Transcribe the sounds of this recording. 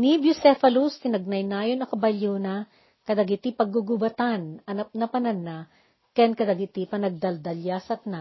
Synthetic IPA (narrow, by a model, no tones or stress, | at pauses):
nibjʊsɛfɐlust̪ɪnɐɡ̚nɐjnaːjonɐŋkɐbɐljonɐ | kɐd̪ɐɡɪt̪ipɐɡuɡubɐt̪anɐnɐp̚nɐpɐnɐnːa | kɛnkɐd̪ɐɡɪt̪ipɐnɐɡ̚d̪ɐld̪ɐljasɐt̪̚na